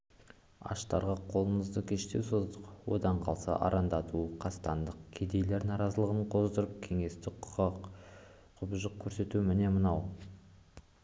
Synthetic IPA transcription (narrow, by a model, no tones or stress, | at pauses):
ɑ̰ʃt̪ɑɾʁɑqʰo̞lˠənəzd̪əkʲʰe̞ʃt̪e̞wsozd̪əqwo̞d̪ɑɴqʰɑlˠsɑ̰ʔɑ̰ɾʔɑnd̪ɑt̪uqʰɑst̪ɑnd̪əqkʲʰed̪e̞jle̞ɾnɑɾɑzəlˠəʁəɴqʰo̞zd̪əɾəp̚kʲʰe̞ŋe̞st̪ɪqʰ | qʰʊbʒəq̚kʲʰɵɾse̞t̪umɪne̞mənɑw